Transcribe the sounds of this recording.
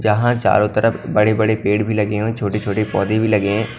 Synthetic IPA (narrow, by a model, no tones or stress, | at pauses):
d͡ʒɐɦãt͡ʃa̰ːɾõt̪əɾəpbɐɽebɐɽepeːɽbʱilɐɡeɦõːt͡ʃʰoːʈet͡ʃʰoːʈepɔ̰ːd̪ebʱilɐɡẽː